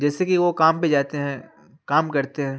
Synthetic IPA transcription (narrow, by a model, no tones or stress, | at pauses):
d͡ʒɛːsekiʋokaːmped͡ʒaːt̪eɦɛ̃ | kaːmkɐɾt̪eɦɛ̃ː